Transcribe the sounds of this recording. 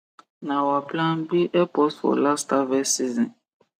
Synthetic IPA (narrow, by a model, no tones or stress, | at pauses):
nãwaplãnbiʔɛpɔsfɔ̰lastavɛsizĩn